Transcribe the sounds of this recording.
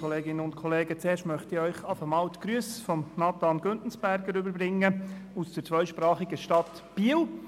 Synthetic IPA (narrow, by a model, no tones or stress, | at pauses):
ɔleːɡɪnəʊntkʰɔleːɡət͡seːɾʃtmœχtiœʏχɑfəmɑːltkɾyəsfɔmnɑt̪ɑːnɡ̥øntn̩sb̥æɾɡəɾʏbəɾbɾɪŋːəusd̥əɾt͡sʋœʏʃpɾɑːχiɡəʃtɑt̪ | b̥iːəl